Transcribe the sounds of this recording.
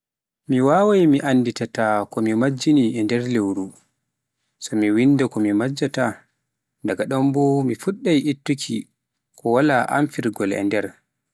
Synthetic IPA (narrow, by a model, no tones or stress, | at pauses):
miwawajmiʔanːditatakɔmimad͡ʒːiniɛndɛɾlewɾu | sɔmiwinːdakɔmimad͡ʒːata | daɡaɗɔmbɔmifuɗːajʔitːukʰi | kɔwalaʔa̰mfiɾɡɔlɛ̰ndɛɾ